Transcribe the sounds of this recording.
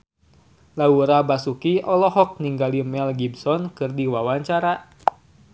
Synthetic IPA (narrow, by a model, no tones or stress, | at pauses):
lauɾabasukiɔlɔɦɔk̚niŋɡalimɛlɡibsɔnkɨrdiwawaɲt͡ʃaɾa